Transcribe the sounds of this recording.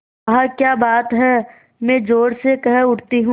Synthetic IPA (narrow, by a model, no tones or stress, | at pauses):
ɐɦakjaːbaːt̪ɦɛː | mɛ̃ːd͡ʒoːɽsekɐɦʊʈt̪iɦũ